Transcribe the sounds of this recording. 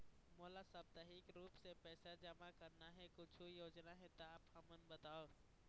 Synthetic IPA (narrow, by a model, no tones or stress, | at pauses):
moːlasab̚t̪ɐɦikɾuːpsepɛːsad͡ʒəmakəɾnaɦẽkʊt͡ʃʰujoːd͡ʒnaɦɛ̃t̪aaːpɦɐmənbət̪aːoː